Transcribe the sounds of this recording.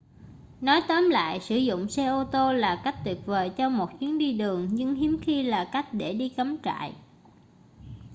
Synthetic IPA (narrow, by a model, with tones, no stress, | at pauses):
nɔ˨˦jt̪ə˨˦mla̰ː˧˨jsɨ˧˩zʊ̰˧˨ŋ͡msɛ˧ʔo˧t̪o˧laː˨˩ka˦˥k̚t̪wi˨˩əp̚vəː˨˩jt͡ɕɔ˧mo˨˩t̚t͡ɕi˨˦əŋɗi˧ɗɨ˨˩əŋɲɨ˧ŋɦi˨˦əmxi˧laː˨˩ka˦˥jk̟̚ɗe˧˩ɗi˧kə˨˦mt͡ɕa̰ː˧˨j